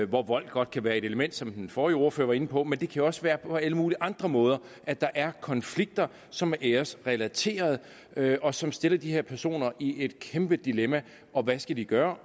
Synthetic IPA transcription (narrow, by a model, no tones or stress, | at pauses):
ʋɒʋɒ̽l̰ɡ̥̚ɡ̥ɒ̽d̥̚kʰæʋæːɐe̝ɾ̥e̝ləmen̰d̥sɒ̽mhenfɒːio̝ːɐfø̰ɐʋɑ̈e̝nəpʰɒ̽mend̥e̝kʰæjoɒ̽sʋæːɐpʰɒ̽æləmuːliʔɑ̈nd̥ʁɐmɔ̽ːð̞ˠɐ | ʔæd̥ɑ̈ʔæɐkʰɒ̽nfliɡ̥̚d̥ɐ | sɒ̽mʔeɐsʁɛlæt͡sʰe̝̰ːɐð̞̩ˠ | ʔɒ̽sɒ̽msd̥e̝lɐd̥ihe̝ɐ̰pʰæɐso̝̰ːnɐʔie̝d̥kʰemb̥əd̥ilemæ | ʔɒ̽ʋæsɡ̥æd̥iɡ̥ɶːɐ